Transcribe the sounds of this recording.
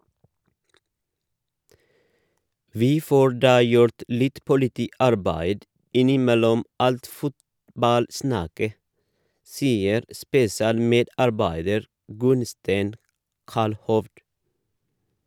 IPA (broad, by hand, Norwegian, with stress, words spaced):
ˈʋiː ˈfoː ˈɖɑː ˈjʊɾt ˈlɪt pʊlɪˈtiːˌɑɾbæɪd ˈɪnɪˌmɛlɔm ˈɑlt ˈfʊtbɑlˌsnɑkə ˈsiːəɾ spɛsɪˈɑːlˌmeːdɑɾˌbæɪdəɾ ˈɡʉnstæɪn ˈkɑlhɔʋd